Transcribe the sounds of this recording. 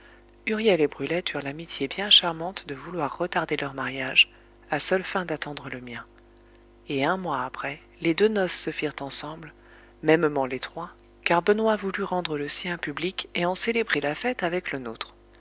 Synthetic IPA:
yʁjɛlebʁylɛt̪yʁlamit̪jebjɛ̃ʃaʁmɑ̃t̪d̪əvulwaʁːət̪aʁd̪elœʁmaʁjaʒ | asœlfɛ̃d̪at̪ɑ̃d̪ʁələmjɛ̃ | eɛ̃mwaːpχɛ | led̪ønɔsːəfiʁt̪ɑ̃sɑ̃bl | mɛmmɑ̃let̪χwa | kaʁbənwavulyʁɑ̃d̪ʁələsjɛ̃pyblikeɑ̃selebʁelafɛt̪avɛklənot̪χ

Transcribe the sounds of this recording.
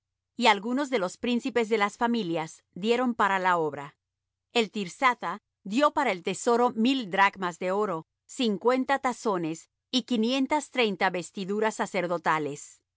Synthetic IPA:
ialɣuno̞zðe̞lo̞spɾinsipe̞zðe̞lasfamiljaz̥ | d̪je̞ɾo̞mpaɾalao̞βɾa | elt̪iɾsat̪a | ðjo̞paɾaelt̪e̞so̞ɾo̞mild̪ɾaɡmazðe̞o̞ɾo̞ | siŋkwe̞nt̪at̪aso̞ne̞s | ikinje̞nt̪ast̪ɾe̞jnt̪aβe̞st̪iðuɾasːase̞ɾðo̞t̪ale̞s

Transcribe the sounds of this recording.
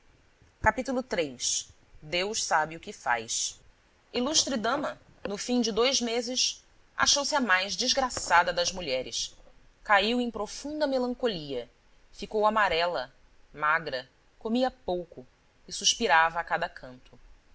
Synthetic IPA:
kapit̪ulʊt̪ɾejs | d̪ewʃsabɪʊkɪfa̰js | iluʃt̪ɾɪd̪ɐ̃mɐ | nʊfĩd͡ʒɪd̪ojzmezɪʃ | a̰ʃowsɪɐmajʒd͡ʒizɡɾasad̪ɐd̪ɐzmuʎɛɾɪ̰s | kaiwẽj̃pɾofũd̪ɐmelɐ̃ŋkoliɐ | fikowamaɾɛlɐ | maɡɾɐ | komiɐpowkʊ | ɪsuʃpiɾavɐːkad̪ɐkʰɐ̃nt̪ʊ

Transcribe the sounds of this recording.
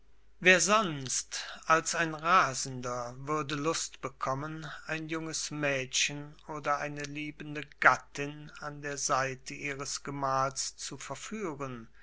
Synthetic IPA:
veːɐzɔnstʔalsaɪnʁaːzn̩dɐvʏɐdəlʊstb̥əkʰɔmənaɪnjʊŋəsmɛːtçənoːdɐʔaɪnəliːbn̩dəɡatɪnandeːɐzaɪtʰəʔiːʁəsɡ̥əmaːlst͡sufɛɐfyːʁən

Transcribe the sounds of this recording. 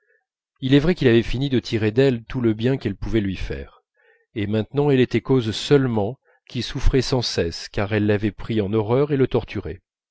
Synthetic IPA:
ilɛvʁɛkilavɛfinid̪ət̪ʰiʁed̪ɛlt̪uləbjɛ̃kɛlpuvɛlɥifɛ̰ːʁ | emɛ̃t̪nɑ̃ɛlet̪ɛkozsœlmɑ̃ | kʲilsufχɛsɑ̃sɛskaʁɛlːavɛpχiɑ̃nɔʁœʁelət̪ɔʁt̪ʰyʁḛ

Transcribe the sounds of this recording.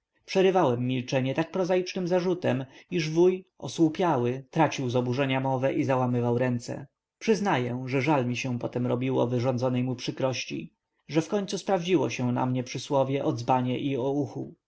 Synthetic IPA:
pʂɛɾɘvawɛmːilt͡ʂɛɲɛt̪ak̚pɾɔzajit͡ʂnɘmzaʐut̪ɛmiʐvujɔ̰swupʲjawɘt̪ɾat͡ɕiwzɔbuʐɛɲamɔvɛʔizawamɘvawɾɛnt̪sɛ̰ | pʂɘznajɛ̃ʐɛʐalmʲiɕɛ̃pɔt̪ɛmɾɔbʲiwɔ̰vɘʐɔ̃nd̪zɔnɛjmupʂɘkɾɔɕt͡ɕḭ | ʐɛfkɔɲt̪suspɾavd͡ʑiwɔɕɛ̃na̰mɲɛpʂɘswɔvʲjɛʔɔd̪zbaɲɛʔiɔuxṵ

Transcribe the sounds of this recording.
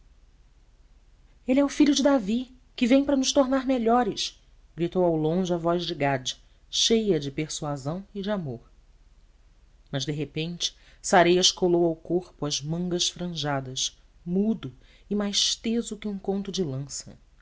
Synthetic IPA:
elɪɛʊfiʎʊd͡ʒɪd̪avi | kɪvẽj̃pɾɐnʊʃt̪oɾnaɾmeʎɔɾɪʃ | ɡɾit̪owawlõʒɪɐvɔʒd͡ʒɪɡad͡ʒɪ̥ | ʃejɐd͡ʒɪpeɾsuazɐ̃w̃ɪd͡ʒɪamoɾ | mɐzd̪eɦepẽnt͡ʃɪ̥ | saɾejɐʃkolowawkoχpʊɐzmɐ̃ŋɡɐʃfɾɐ̃ʒad̪ɐʃ | mud̪ʊ | ɪmajʃt̪ezʊkɪũkõnt̪ʊd͡ʒɪlɐ̃sɐ̰

